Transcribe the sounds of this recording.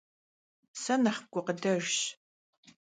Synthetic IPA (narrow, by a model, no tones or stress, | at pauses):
sɐnɐχ̚ɡʷʊqədɐrɕ